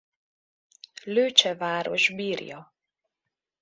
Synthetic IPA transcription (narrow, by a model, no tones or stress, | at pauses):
løːt͡ʃɛvaːɾo̰ʒbiːrjɒ